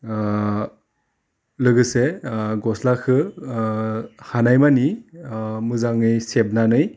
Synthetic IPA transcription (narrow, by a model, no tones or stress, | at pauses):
lɯɡɯseɡɔslakʰɯ | hanajmani | mɯzaŋɯjseb̚nanɯj